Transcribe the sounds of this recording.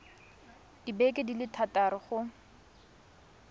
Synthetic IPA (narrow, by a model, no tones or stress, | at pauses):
ibekʼɪdilɪtʰatʼaɾɪχʊ